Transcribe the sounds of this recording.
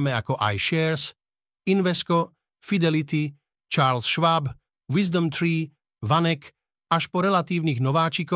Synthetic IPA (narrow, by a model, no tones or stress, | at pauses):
mɛakɔʔa̰jʃɛɾs | inʋɛskɔ | fid̪ɛlit̪i | t͡ʃaːɾlsʃʋab | ʋizd̪ɔmt̪ɾiː | ʋanɛk | aʃpɔɾɛlat̪iːʊniɣnɔʋaːt͡ʃikɔ